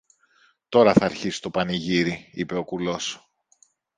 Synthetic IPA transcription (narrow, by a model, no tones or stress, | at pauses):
t̪o̞ɾɐθɐːɾçisi̥t̪o̞pɐniʝiɾiḭpe̞o̞kulo̞s